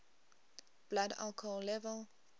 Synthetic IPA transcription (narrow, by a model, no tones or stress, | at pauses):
b̥lada̰lkʰoɔllɛvəl